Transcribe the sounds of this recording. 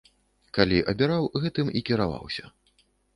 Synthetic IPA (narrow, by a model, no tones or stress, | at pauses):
kalʲiʔɐbʲiɾawɣɛt̪ɨmikʲiɾava̰wsʲɐ